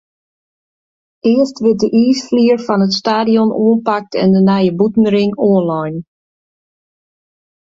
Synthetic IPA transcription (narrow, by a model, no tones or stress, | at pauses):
ʔɪəstʋɪt̚dəʔiːsfliərfɔnətstaːdiɔnʔoənpak̚tʰɛ̰ndənajəbutn̩ɾɪŋoːnlajn